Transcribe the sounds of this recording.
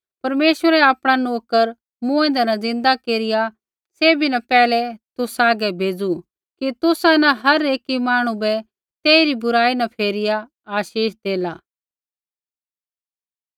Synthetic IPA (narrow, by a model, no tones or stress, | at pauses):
pɐɾmeːʃwəɾɛaːpɽ̃anoːkəɾ | mʊ̃ẽnd̪anɐ̃zɪ̃nd̪akeːɾɪja | seːbʱinɐpɛːlɛt̪ʊsaːɡɛbʱeːd͡zu | kit̪ʊsãnɐ̃ɦɐɾeːkimaːɽ̃ũbɛ | t̪eːiɾibʊɾaːinɐpʰeːɾɪja | aːʃiːʃd̪eːlaː